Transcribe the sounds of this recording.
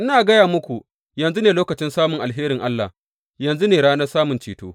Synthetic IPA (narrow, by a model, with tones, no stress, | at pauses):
ʔɪ˦naː˨ɡɐ˦jaː˨mʊ˦kʷu˨ | jɐ˨nzu˦neː˨loː˦kɐ˨t͡ʃɪ˦nsaː˦mʊ˨ŋʔa˨lɦeː˦ɾɪ˨ŋʔa˦lːa˨h | jɐ˨nzu˦neː˨ɽaː˦nɐ˦rsaː˦mʊ˨nt͡ʃiː˦to̰ː˦